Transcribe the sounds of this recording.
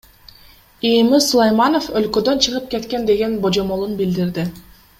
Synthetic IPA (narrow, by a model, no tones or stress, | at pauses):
imislˠojmano̞fø̞lkø̞d̪ø̞nt͡ʃʰɯʁɯp̚ke̞t̪ke̞nd̪e̞ɡe̞nbo̞d͡ʒo̞mo̞lˠunbild̪iɾd̪i